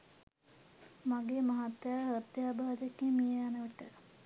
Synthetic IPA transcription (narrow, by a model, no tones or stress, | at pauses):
maɡeːmaɦat̪jaːɦət̪jaːbad̪ekːimijeanəʋəʈə